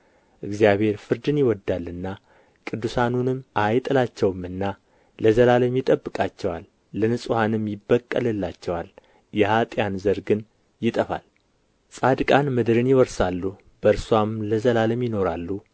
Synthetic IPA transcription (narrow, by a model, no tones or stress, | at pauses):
ʔɨɡzijaβhe̞ɾfɨɾd̪ɨnjɪwɔd̪ːalːɨnːa | kʼɨd̪ːusanunɨmʔajt̪ʼɨlat͡ʃːɛwɨmɨnːa | ləzəlaləmjɪt̪ʼəbːɨkʼat͡ʃːɛwalː | ənɨsʼhanɨmjɪbːəkʼːə̰lɨlːat͡ʃːɛwal | jɛhat̪ʼjanzəɾɡɨn | jɪt̪ʼəfa̰l | sʼad̪kʼanmɨd̪ɾɨnjɪwɔɾsalːu | b̥əɾswamləzəlaləmjɪno̞ɾalːu